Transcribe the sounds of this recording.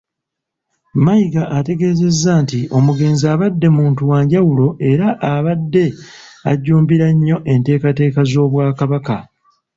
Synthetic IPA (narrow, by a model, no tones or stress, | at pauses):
majiɡaʔate̞ɡe̞ːze̞zːaːntiʔo̞muɡe̞ːnziaːβadːe̞muːntuwaːɲɟawulo̞ʔe̞ɾaʔaβadːe̞a̰ɟːuːmbiɾaɲːo̞ʔe̞nte̞ːkate̞ːkazo̞ːβwaːkaβaka